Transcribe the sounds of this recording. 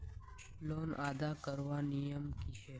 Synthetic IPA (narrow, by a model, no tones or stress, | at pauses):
loːnaːd̪aːkəɾʋaːnijəmkiʃeː